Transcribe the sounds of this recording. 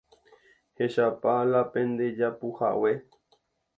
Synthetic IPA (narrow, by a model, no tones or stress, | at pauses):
he̞ʃapalapẽ̞nd̪e̞d͡ʒapuha̰we